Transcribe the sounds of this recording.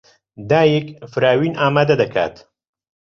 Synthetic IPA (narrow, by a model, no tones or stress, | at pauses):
d̪aːjekfɨɾaːwiːnaːmaːd̪ad̪ɐkʰa̰ːt̪